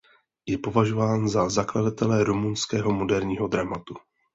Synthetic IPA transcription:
jɛpo̞vaʒovaːnzazakladat̪ɛlɛɾumunskɛːɦo̞mo̞dɛɾɲiːɦo̞d̪ɾamat̪u

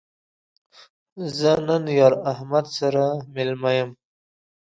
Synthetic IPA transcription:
zənənjɑɾahmad̪saɾamɪlmajəm

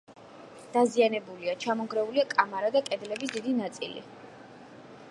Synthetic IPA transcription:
d̪̥azianɛbuliat͡ʃʰamɔɡɾɛuliakʼamaɾad̪akʼɛd̪lɛbisd̪id̪inat̪sʼḭlḭ

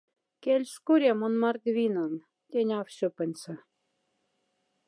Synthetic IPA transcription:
kelʲʃkuɾʲemonmɑrd̪ʲβʲinɑn | t̪ʲenʲɑfɕopə̆nʲsɤ̆

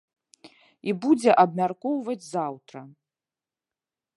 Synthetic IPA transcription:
ibud͡zʲɛʔɐbmʲarkɔwvɐd͡zʲzawt̪ɾɐ

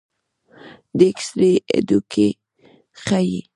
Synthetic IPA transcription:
d̪eksɾeḛd̪ukʰe | xajḭ

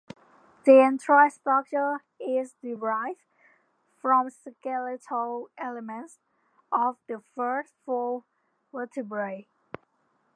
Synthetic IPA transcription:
ðiɛ̃ntɹastɹʌk̚t͡ʃə˞ | ɪzdɪɹaɪv | fɹɔ̃mskɛlɪtʰəlɛləmə̃nts | ʔɔvðəfɜ˞sfɔ | wɪtʰəbɹəi

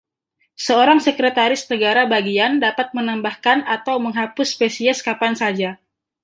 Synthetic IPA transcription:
səoɾaŋsəkɾət̪aɾɪsnəɡaɾabaɡiandapat̪̚mənambahkanat̪awməŋɦapʊspesiɛskapansad͡ʒa

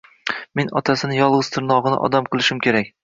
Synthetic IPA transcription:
me̞nɒ̰t̪ʰasɪnɪjɒlˠʁɨz̥t̪ʰɪɾnɒʁɨnɪ̰ʔɒ̰d̪amqʰɨlˠɪʃɪmkʲʰe̞ɾak̚ʲ

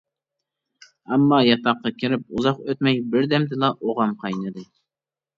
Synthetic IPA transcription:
ɑmːɑjɑt̪ɑqːɑkʲʰiɾɪp̚uzɑqøt̪mɛjbɪɾd̪ɛmd̪ɪlˠɑʔoʁɑmqʰɑjnɨd̪ɨ

